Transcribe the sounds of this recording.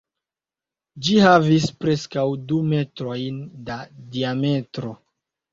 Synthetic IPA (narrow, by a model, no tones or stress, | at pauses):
d͡ʒihavispɾe̞skawdume̞tɾo̞jndadiame̞tɾo̞